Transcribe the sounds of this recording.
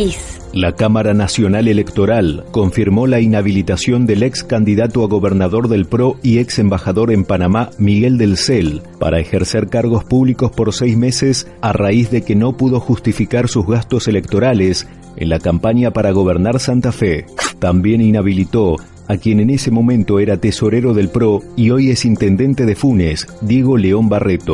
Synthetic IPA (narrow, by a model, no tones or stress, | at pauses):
lakamaɾanasjo̞nale̞le̞kt̪o̞ɾalko̞ɱfiɾmo̞lainaβilit̪asjo̞nd̪e̞lekskand̪iðat̪oaɣo̞βeɾnaðo̞ɾðe̞lpɾo̞ieksembaxaðo̞ɾe̞mpanamamiɣe̞ld̪elselpa̰ɾʔaexeɾseɾkaɾɣ̞ospuβliko̞spo̞ɾsɛjzme̞ses | araizðe̞keno̞puðo̞xust̪ifikaɾsuzɣast̪o̞se̞lek̚t̪o̞ɾales | ḛnlakampaɲapaɾaɣ̞o̞β̞eɾnaɾsant̪afet̪ambje̞ninaβilit̪o̞ | akje̞nene̞semo̞mẽ̞nt̪o̞eɾat̪eso̞ɾeɾo̞ðe̞lpɾo̞io̞jesint̪end̪e̞nt̪e̞ðefunesd̪je̞ɣo̞leo̞mbaret̪o